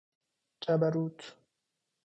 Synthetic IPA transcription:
t͡ʃʼɐbɐɾuːt̪ːʊ̥

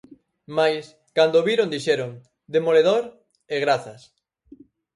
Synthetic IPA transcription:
majs | kand̪oβiɾond̪iʃɛɾoŋ | d̪emoleðoɾ | eɣɾaθɐs

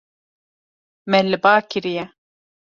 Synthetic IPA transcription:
mɛlɨbaːkɪɾijɛ

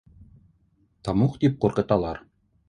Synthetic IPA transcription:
t̪ɑmuqt̪ip̚quɾqɤ̆t̪ɑlˠɑɾ

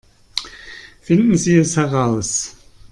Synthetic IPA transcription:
fɪndn̩ziːɛshɛʁaʊs

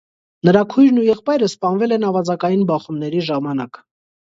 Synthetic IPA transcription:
nəɾɑkʰujɾnujɛχpɑjɾəspɑnvɛlɛnɑvɑd͡zɑkɑjinbɑχumnɛɾiʒɑmɑnɑk

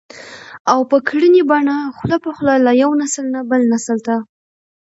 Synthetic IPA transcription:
awpəkɽənibɑɳaxlapəxlɑlajawnasəlnabəlnasəlt̪a

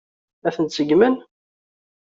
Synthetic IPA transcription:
æθənt̪səɡmən

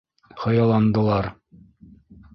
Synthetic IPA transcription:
χɤ̆jɑlˠɑnd̪ɤ̆lˠɑɾ

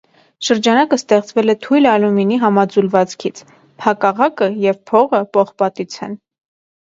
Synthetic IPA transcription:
ʃəɾd͡ʒɑnɑkəst̪ɛχt͡svɛlɛt̪ʰujlɑluminiɦɑmɑd͡zulvɑt͡skʰit͡sʰ | pʰɑkɑʁɑkəjɛvpʰɔʁəpɔχpɑt̪it͡sʰɛ̰n

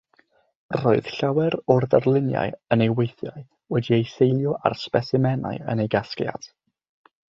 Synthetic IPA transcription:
roːɨð̥ɬawɛɾɔrðarlˠɪnja̰ɨənejwejθjaɨ | wɛdiejsejlˠjɔʔa̰rspɛsɪmɛna̰ɨə̰nejɡaskja̰d̥

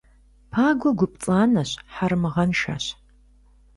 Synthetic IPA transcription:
pʰaːɡʷɔɡʷʊpt͡sʼaːnɐɕħarmɨʁɐnʃa̰ːɕ

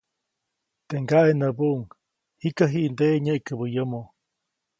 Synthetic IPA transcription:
t̪eŋɡaʔenəbuʔŋ | hikaɦiʔnd̪eʔɲəʔkəbəjəmo

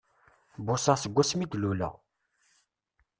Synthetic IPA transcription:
bʊsasəɡʷːæsmid̪lulə̰ʁ

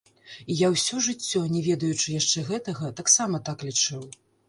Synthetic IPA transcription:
ijawsʲɔʐɨt͡sʲːɔnʲɛvʲɛd̪ɐjut͡ʂɨjaʂt͡ʂɛɣɛt̪ɐɣɐt̪aksamɐt̪aklʲit͡ʂɨw

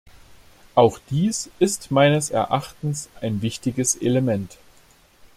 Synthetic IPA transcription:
ʔaʊxd̥iːsɪstmaɪnəsɛɐʔaχtn̩sʔaɪnvɪçtɪɡəsḛləmɛnt

